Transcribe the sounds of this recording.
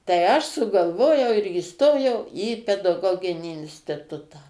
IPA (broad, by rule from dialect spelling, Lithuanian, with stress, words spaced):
tɐɪ ˈɐʃ sʊɡɐlˠˈʋoːjɛʊ ɪr iːˈstoːjɛʊ iː pʲɛdɐˈɡoːɡʲɪnʲiː ɪnʲsʲtʲɪˈtʊtɑː